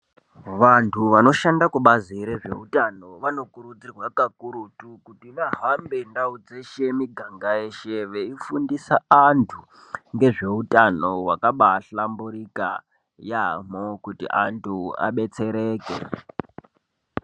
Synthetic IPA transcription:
ʋantʰuʋano̞ʃandakuɓaziɾe̞ʐe̞̰utano̞ʋano̞kuɾud͡zirwakakuɾutukutiʋaɦambendaud͡zeʃemiɡʱaŋɡaeʃeʋeifundisaantʰu | ŋɡe̞ʐe̞utʼano̞wakaɓaɬambuɾika | jamokutḭʔantʰua̰ɓe̞t͡se̞ɾe̞ːkḛ

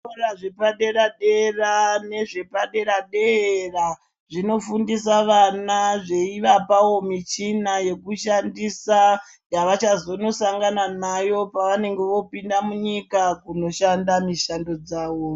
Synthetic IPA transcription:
oraʐepaɗe̞ɾaɗe̞rane̞ʐe̞paɗe̞ɾaɗera | ʐino̞fundisaʋanaʐe̞iʋapawo̞mit͡ʃinaje̞kuʃandisa | jaʋat͡ʃazo̞no̞saŋɡananajo̞paʋane̞ŋɡe̞ʋo̞pindamuɲikakuno̞ʃandamiʃando̞d͡zaːʋo

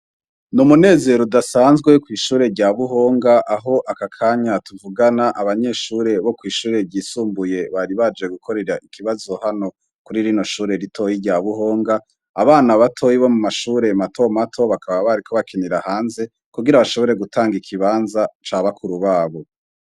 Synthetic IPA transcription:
numune̞ːze̞ɾodasaːnzɡwe̞kwiːʃuːɾe̞ɾɟaːβuɦo̞ːŋɡaʔaɦo̞ʔakakʰaːɲatuvuɡanaʔaβaɲe̞ʃuːɾe̞βo̞kwiːʃuːɾe̞ɾɟiːsuːmbuje̞βaɾiβad͡ʒeɡukʰo̞ɾe̞ɾaʔikʰiβazo̞hano̞ | kuɾiɾino̞ʃuːɾe̞ɾitʰo̞jiɾɟaːβuho̞ːŋɡaː | βaːnaβatʰo̞jiβo̞mumaʃuːɾe̞matʰo̞matʰo̞βakaβaβaɾikʰo̞βakeniɾahaːnze̞ | kuɡiɾaβaʃoβo̞ɾe̞ɡutʰaːŋɡikʰiβaːnzat͡ʃaːβakʰuɾuβaːβo̞

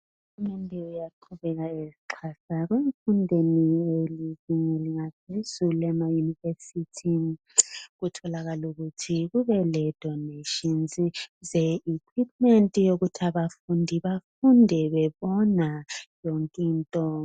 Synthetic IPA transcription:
uɣumɛndʱɛujaǃʰuβɛɣaeziǃʰasaɣweɱfundʱenieliziɲɛliŋapʰezuluɛmajunivesitʰi | ɣutʰɔlaɣaluɣutʰiɣuβɛlɛd̥ʱɔneʃinzizɛikʰwip̚ʼmɛntʼijoɣutʰaβafundʱiβafundʱɛβɛβɔnajoŋkʼiːntʼɔ

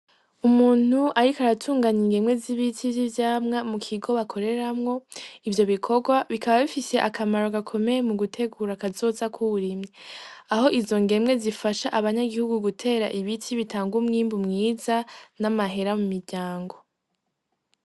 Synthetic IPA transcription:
umuːn̥uʔaɾikaɾatʰuːŋɡaɲiŋɡe̞mŋe̞ziβitʰivzivjaːmŋamukʰiɡo̞βakʰo̞ɾe̞ɾamŋo̞ivjo̞βikʰo̞ɡwaβikaβaβifise̞ʔakʰamaɾoɡakʰo̞me̞jemuɡutʰe̞ɡuɾakazo̞ːzakʰuβuɾimɲeaɦo̞ʔizo̞ŋɡe̞mŋe̞zifaʃaʔaβaɲaɡihuɡuɡutʰe̞ːɾaʔiβitʰiβitʰaːŋɡumŋiːmbumŋiːzanamaɦe̞ɾamumiɾɟaːŋɡo̞

